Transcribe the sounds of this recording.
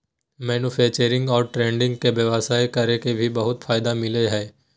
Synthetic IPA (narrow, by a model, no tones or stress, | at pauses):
mɛːnupʰɛːt͡ʃəɾɪ̃ŋɡɔːɾʈɾẽːɳɖɪ̃ŋɡkebjɐʋasaːekɐɾekebʱibɐɦʊt̪fʰaːɪd̪amɪleɦɛː